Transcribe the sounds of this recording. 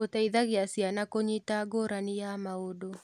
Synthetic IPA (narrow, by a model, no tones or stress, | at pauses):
otaiðaɣeasianakoɲitaɡoɾanijamaodo